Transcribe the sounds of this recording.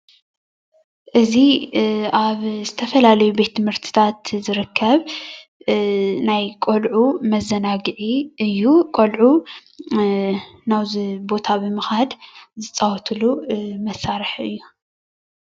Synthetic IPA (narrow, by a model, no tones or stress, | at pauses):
ʔɨzi | aβzɨt̪ʰɐfɐlalɐjube̞t̪ʰːɨmhɨɾt̪ʰi̥t̪ʰat̪zɨɾɨkʰːɐβ | najkʼolʕumɐzɐnaɡɨʕiʔɨjːukʼolʕu | nawbo̞t̪ʰabɨmɨxad̪zɨt͡sʼawɔt̪ʰɨlumɐsaɾɨħɨ̰jːu